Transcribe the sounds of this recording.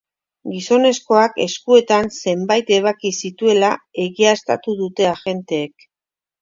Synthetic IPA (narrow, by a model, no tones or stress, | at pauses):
ɡiso̞ne̞sko̞ake̞̰skue̞t̪anse̞mbajt̪e̞β̞akisit̪ue̞lae̞ɣiast̪a̰t̪uðut̪e̞aʝe̞nt̪e̞ːk̚